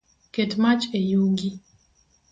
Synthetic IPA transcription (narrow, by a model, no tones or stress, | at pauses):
kedmat͡ʃejuɡi